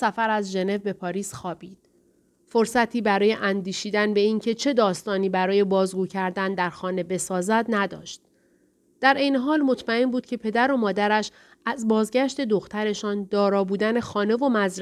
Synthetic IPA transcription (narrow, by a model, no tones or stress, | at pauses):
sæfæɾæzʒe̞ne̞vbe̞pʰɒːɾiːsxɒːbiːd̪̥̚ | fo̞ɾsæt̪ʰiːbæɾɒːje̞ʔænd̪iːʃiːd̪ænbe̞iːŋcʰe̞t͡ʃʰe̞d̪ɒːst̪ɒːniːbæɾɒːje̞bɒːzɡuːcʰæɾd̪ænd̪æɾxɒːne̞be̞sɒːzæd̪næd̪ɒ̰ːʃt̪̚ | d̪̥æɾʔe̞jne̞ɦɒːlmo̞t̪ʰmæe̞nbuːd̪̥cʰe̞pʰe̞d̪æɾo̞mɒːd̪æɾæʃ | æzbɒːzɟæʃt̪e̞d̪o̞xt̪ʰæɾe̞ʃɒːnd̪ɒːɾɒːbuːd̪æne̞xɒːne̞vo̞mæzɾ